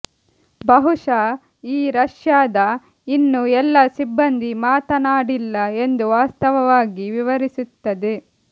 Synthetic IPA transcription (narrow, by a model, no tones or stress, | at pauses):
bɐɦuʂa | iːɾɐʂjaːd̪ɐ | inːuɛlːɐsibːɐnd̪imaːt̪ɐnaːɽilːɐe̞nd̪uʋaːst̪ɐʋɐʋaːɡiʋiʋɐɾisut̪ːɐd̪e